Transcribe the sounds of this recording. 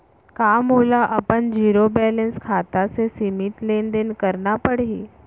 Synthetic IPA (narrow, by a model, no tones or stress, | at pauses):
kamɦolaʔəpəɳd͡ʑiːɾobɛlənskʰat̪asesimiʈlend̪enkəɾnapəɽ̤e